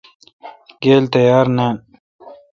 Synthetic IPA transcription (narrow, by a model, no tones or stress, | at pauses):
ɡeːlt̪ɐjaːɾne